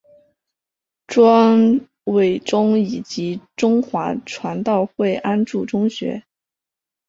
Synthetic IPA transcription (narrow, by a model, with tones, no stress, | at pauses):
ʈ͡ʂwɑ˥ŋ | we˨˩ɪʈ͡ʂʊ˥ŋi˨˩t͡ɕi˧˥ʈ͡ʂʊ˥ŋxwa˧˥ʈ͡ʂʰwa˧˥nt̪ɑ˥˧ʊxwe˥˩ɪʔa˥nʈ͡ʂu˥˩ʈ͡ʂʊ˥ŋɕɥɛ̰˧˥